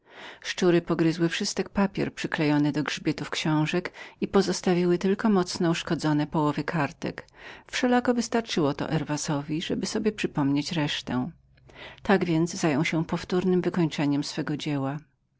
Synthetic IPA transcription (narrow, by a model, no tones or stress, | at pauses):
ʂt͡ʂuɾɘpɔɡɾɘzwɘfʂɘst̪ɛk̚papʲjɛ̰ɾpʂɘklɛjɔnɘd̪ɔɡʐbʲjɛt̪ufkɕɔ̃w̃ʐɛkipɔzɔst̪avʲiwɘt̪ɘlkɔmɔt̪snɔuʂkɔd̪zɔnɛpɔwɔvɘkʰaɾt̪ɛ̰kfʂɛlakɔvɘst̪aɾt͡ʂɘwɔt̪ɔ̰ʔɛɾvasɔvʲiʐɛbɘsɔbʲjɛpʂɘpɔmɲet͡ɕɾɛʂt̪ɛ̰̃ | t̪aɡvʲjɛnd̪zzajɔ̃w̃ɕɛpɔft̪uɾnɘmvɘkɔɲt͡ʂɛɲɛmsfɛɡɔd͡ʑɛwa